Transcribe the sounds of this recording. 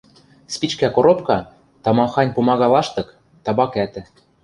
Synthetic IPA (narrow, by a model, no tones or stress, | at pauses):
spʲit͡ɕkækoɾopkɑ | t̪ɑmɑxɑnʲpumɑɣɑlˠɑʃt̪ɤ̆k | t̪ɑbɑkæt̪ɘ̆